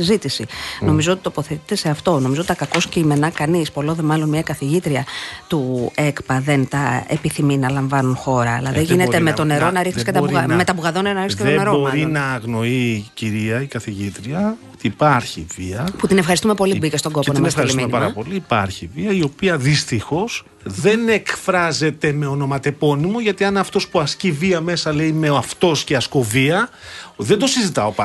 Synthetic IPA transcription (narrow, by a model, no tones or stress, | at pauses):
sizit̪isino̞mizoot̪i̥t̪opo̞θet̪it̪e̞se̞ɐft̪o̞no̞mizot̪it̪ɐkɐko̞sceime̞nɐkɐnispo̞lo̞nðemɐlo̞nmɲɐkɐθiʝit̪ɾiɐt̪ue̞kpɐðe̞nt̪ɐḛpiθiminɐlɐɱvɐnunxo̞ɾɐ̰ːlɐðeʝinet̪emet̪o̞ne̞ɾo̞nɐɾixniskɐt̪ɐɐme̞t̪ɐbuɣɐðoneɾnɐɾisskɐteoeɾooɾinɐːɣno̞iciɾiɐikɐθiʝit̪ɾiɐot̪iːpɐɾçḭviɐput̪inefxɐɾist̪umepo̞liubicest̪oɡoponnesfxɐɾismiumenpɐɾɐpo̞liipɐ̰ɾçiviɐio̞piɐðist̪ixo̞s | ðe̞ne̞kfɾɐze̞t̪e̞me̞ono̞mɐt̪e̞po̞nimoʝɐt̪iɐnɐft̪o̞spuɐsciviɐme̞sɐle̞ime̞oɐft̪o̞sceɐsko̞viɐðend̪osizit̪ɐo̞pɐ